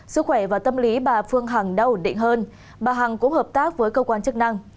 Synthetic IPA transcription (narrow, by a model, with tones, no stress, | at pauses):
sɨ˦˥k̚xwɛ˧˩vaː˨˩wt̪ə˧mli˨˦ɓaː˨˩fɨ˧əŋɦaː˨˩ŋɗə˧wnɗḭ˧˨ŋ̟ɦəː˧n | ɓaː˨˩ɦa˨˩ŋkʊ̰˧˥ŋ͡mhəː˨˩p̚t̪aː˦˥k̚vəː˨˦jkəː˧kwaː˧nt͡ɕɨ˦˥k̚na˧ŋ